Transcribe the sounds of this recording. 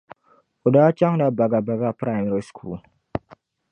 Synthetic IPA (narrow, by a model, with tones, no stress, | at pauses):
o˨daː˦t͡ʃa˦ŋ˦da˦ba˨ɡa˨ba˨ɡa˦˨pɾa˦˨jmi˦ɾi˦skʰṵː˨l